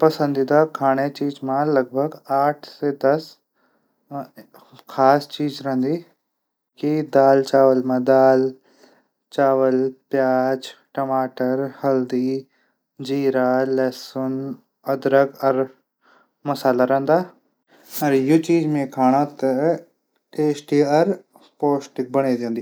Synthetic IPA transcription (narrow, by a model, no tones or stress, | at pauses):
pɐsə̃nd̪id̪akʰaːɽ̃et͡ʃiːd͡ʒmãlɐɡ̚bʱəɡaːʈʰsed̪ɐs | kʰaːst͡ʃiːd͡ʒɾɛɦnd̪i | kid̪aːlt͡ʃaːʋəlmãd̪aːl | t͡ʃaːʋəlpjaːd͡ʒʈəmaːʈəɾhɐld̪i | d͡ʒiːɾaːlɛsʊn | ɐd̪ɾəkɐɾ | mɐsaːlaɾɐ̃ɦnd̪aː | ɐɾjʊt͡ʃiːd͡ʒmẽkʰaːɽ̃at̪ɐ | ʈeːsʈiɐɾ | poːsʈɪk̚bɐɽ̃ed͡ʒ̪ẽːnd̪iː